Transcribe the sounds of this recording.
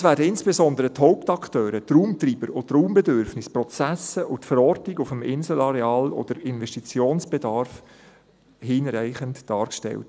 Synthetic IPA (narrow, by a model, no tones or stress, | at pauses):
sʋæːdəɪnsb̥ezɔnd̪əɾəthɔʊptɑktøːɾət̪ruːmt̪riːb̥əɾʊtruːmbɛdʏɾfnɪsprɔt͡sæsəʔʊtfəɾɔrtniɡʊfəmɪnzəl̩ɑɾeɑːlɔ̰d̪̥əɾɪnʋɛʃtit͡sjoːnsb̥edɑɾf | hiːnɾæɪχəntd̥ɑːɾkʃtɛ̰lt